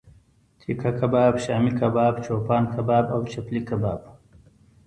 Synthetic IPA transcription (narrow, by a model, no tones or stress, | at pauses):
t̪ʰikʰakʰɐbaːbɕaːmikʰɐbaːbt͡ʃoːpaːnkʰɐbaːbɐwt͡ʃɐplikɐbaːb